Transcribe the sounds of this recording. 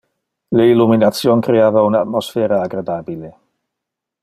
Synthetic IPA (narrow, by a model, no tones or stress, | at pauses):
leiluminat̪sjoŋkɾeaːvaunat̪mosfɛːɾaːɡɾad̪aːbile